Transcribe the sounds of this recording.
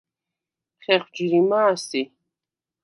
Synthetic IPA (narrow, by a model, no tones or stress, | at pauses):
χɛχwd͡ʒiɾimaːsi